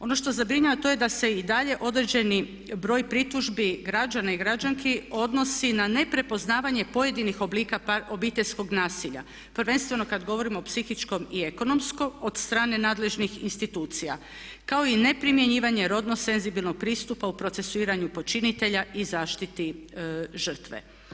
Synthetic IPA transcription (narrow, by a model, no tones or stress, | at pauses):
o̞no̞ʃt̪o̞zabɾiɲaʋat̪o̞ːje̞d̪ase̞id̪aʎe̞ʔo̞d̪ɾe̞d͡ʑe̞ni | bɾo̞ːjpɾit̪uʒbiɡɾad͡ʒanaiɡɾad͡ʒaŋkʰeo̞d̪no̞sinane̞pɾe̞po̞znaːʋaɲe̞po̞je̞d̪inixobliːkaobiːt̪e̞ʎʲsko̞ɡnaːsiʎa̰ | pr̩ʋe̞nst̪ʋe̞no̞kad̪ɡo̞ʋo̞ɾimo̞psixit͡ʃko̞mie̞ko̞no̞msko̞od̪st̪ɾaːne̞naːd̪le̞ʒnixinst̪it̪uːt̪sija̰ | kao̞ine̞pɾimje̞ɲiːʋaɲe̞ɾo̞d̪nose̞nzibilno̞ɡ̚pɾiːst̪upaupɾo̞t̪se̞suiːɾaɲupo̞t͡ʃinit̪e̞ʎaʔizaːʃt̪it̪i | ʒər̩t̪ʋḛ